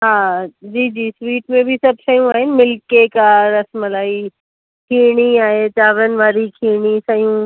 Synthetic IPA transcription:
ɦaːd͡ʑiːd͡ʑiːsʋiːʈmẽbʱisɐbʱsɐjũaːɦɪnɪmɪlkekaɾɐsməlaːi | kʰiːɽ̃iaːɦet͡ɕaːʋɾənɪ̆ʋaːɾikʰiːɽ̃isɐjũ

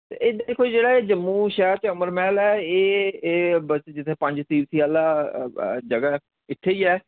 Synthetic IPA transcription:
t̪ḛʔeːd̪aːd̪ekʰːoːid͡ʒeːɽaːeːd͡ʒəmːuːʃɛːɾt͡ʃəməɾmɛːlɛːeː | bət͡ʃd͡ʒɪt̪ʰːeːpə̃ɲd͡ʒt̪iːʋsiːaːlaː | d͡ʒəɡaː | ɪt̪ʰːeːiːɛː

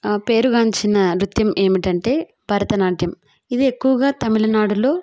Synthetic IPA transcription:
pe̞ːɾuɡaːɲt͡ʃinɐɾut̪jɐmʔe̞ːmiʈɐɳʈe̞ː | bʱɐɾɐt̪ɐnaːʈjɐm | id̪iekːuʋɐɡaːt̪ɐmilɐnaːɽulo̞ː

